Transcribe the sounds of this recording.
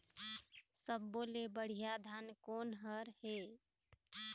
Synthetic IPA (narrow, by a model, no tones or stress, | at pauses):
səbːolebəɽ̤ijad̪ʱankoːnɦəɾɦe